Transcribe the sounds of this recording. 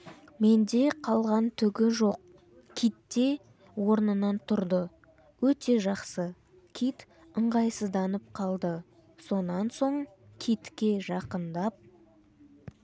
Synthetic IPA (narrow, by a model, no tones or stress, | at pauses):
me̞nd̪e̞qʰɑlˠʁɑnt̪ʰʏɡʲɪʒo̞q̚ | kʲʰijt̪ːe̞ | wo̞ɾnənɑnt̪ʰʊɾd̪ə | wɵt̪e̞ʒɑqsə | kʲʰijt̪ | əɴʁɑjsəzd̪ɑnəp̚qʰɑlˠd̪ə | so̞nɑnso̞ɴkʲʰijt̪kʲe̞ʒɑqənd̪ɑp̚